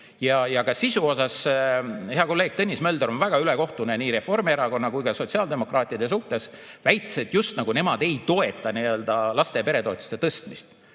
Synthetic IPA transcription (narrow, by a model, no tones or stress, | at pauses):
jɑjɑkɑsisuo̞sɑs | heɑko̞lːe̞ːɡ̥̚t̪ɤnʲːismeøld̪eɾo̞nvæɡ̥ɑyleko̞ht̪uneniːɾe̞fo̞rmieɾɑko̞nːɑkujkɑso̞t̪ʲsiɑːld̪e̞mo̞krɑːt̪ʲˑiɑd̪̥e̞s̬uht̪e̞s | væjt̪ːˑe̥set̪ˑjust̪nɑɡ̥une̞mɑd̪̥e̞jt̪o̞e̞t̪ːˑɑniø̞ld̪̥ɑlɑst̪e̞pe̞ɾe̞t̪o̞et̪ːˑu̥st̪e̞t̪ɤst̪mist̪